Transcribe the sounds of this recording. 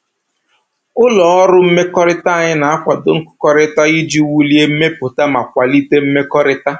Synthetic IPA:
ʊ˦lɔ˨ɔ˦ɾʊ˦m̩˦me˦kɔ˦ɾɪ˦ta˦a˨ɲɪ˦na˨a˦kʷa˨dʊ˨ŋ̩˦kʊ̥˦kɔ˦ɾɪ˦ta˦i˦d͡ʒi˦wu˦li˦e˦m̩˦me˦pʊ˨ta˦ma˨kʷa˨li˦te˦m̩˦me˦kɔ˦ɾɪ˦ta˦

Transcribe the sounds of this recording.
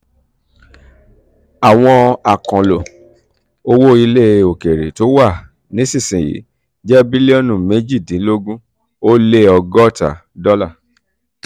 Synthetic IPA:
a˨w̃ɔ̃˧a˨kɔ̃˨lo˨ | o˧wo˦i˧le˦o˨ke˨ɾe˨to˨˦wa˦˨ | nĩ˨˦sĩ˦˨sĩ˨jḭ˨˦ | d͡ʒɛ˦bi˦le˦ɔ˦˨nũ˨me˨˦d͡ʒi˦˨dĩ˨˦lo˦ɡũ˦ | o˦le˦ɔ˧ɡɔ˦˨ta̰˨ | dɔ˦la˦˨

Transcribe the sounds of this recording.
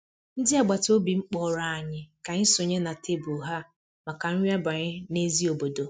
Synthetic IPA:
n̩˦dɪ˦a˨ɡ͡ba˨to˦bi˨ŋ͡m̩˦k͡pɔ˦˨ɾa˨a˨ɲɪ˦ka˨ɲɪ˦sʊ˨ɲe˦na˨tʰe˦bu˨ɦa˦ | ma˨ka˨ŋ̩˦i˦a˦ba˨ɲɪ˦ne˦zi˦o˨bo˨do˨

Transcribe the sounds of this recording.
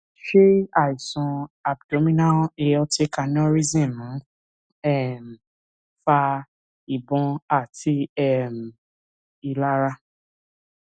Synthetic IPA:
ʃe˦a˦˨i˨sɔ̃˧a˨b̚do˨˦mĩ˦nã˦e˧ɔ˧te˧ka˧nɔ̃˦ɾi˦zĩ˦˨mũ˨˦ | ɛ˦˨m̩˨ | fa˧ | i˨bɔ̃˧a˦˨ti˧ɛ˦˨m̩˨ | i˧la˦ɾa˦

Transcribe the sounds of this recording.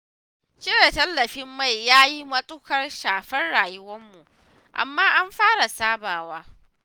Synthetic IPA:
t͡ʃɪ˦weː˨tɐ˦lːɐ˨ɸɪ˦mːa˦˨jːaː˦ji˦mɐ˦sʼʊ˦kɐ˦rʃaː˨ɸɐ˦rɽaː˨jʊ˦wɐ˦mːu˨ʔ | ʔa̰˨mːaː˦ʔa˦mɸaː˦ɽa˨saː˦baː˨waː˦

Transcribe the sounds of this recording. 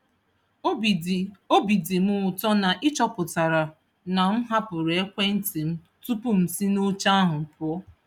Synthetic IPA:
o˦bi˨di˨mʊ˦ʊ˨tɔ˦na˨ʔɪ˦t͡ʃɔ˦pʊ˨ta˨ɾa˨ | na˨m̩˦ɦa˦pʊ˨ɾe˨e˦kʷe˦n̩˦ti˨m̩˦ | tu˦pʊ˦m̩˨si˦no˦t͡ʃa˦a˦ɦʊ˨m̩˨pʊ˦ɔ˦

